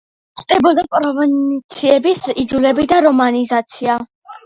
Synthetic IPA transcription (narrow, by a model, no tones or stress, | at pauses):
χd̪̥ɛbɔd̪apʼɾɔvɛnt̪sʰiɛbisid̪zulɛbid̪aɾɔmanizat̪sʰia